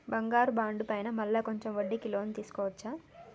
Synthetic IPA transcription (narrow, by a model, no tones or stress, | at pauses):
bɐŋɡaːɾubaːɳɖupɐjnɐmɐlːaːkoɲt͡ʃemʋɐɖːikiloːnit̪iːsu̥kɔːʋɐt͡ʃːaː